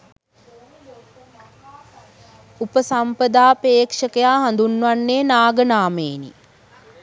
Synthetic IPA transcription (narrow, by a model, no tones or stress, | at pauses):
upəsampəd̪aːpeːkʂəkəjaːɦand̪unːʋanːeːnaːɡənaːmeːnḭ